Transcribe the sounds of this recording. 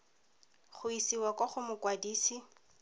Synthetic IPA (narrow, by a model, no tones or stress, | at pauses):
χʊisiwakʼɔχʊmʊkwadiːsi